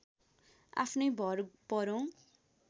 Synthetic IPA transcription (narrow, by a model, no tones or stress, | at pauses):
a̰pʰnʌjbʱʌrpʌɾõ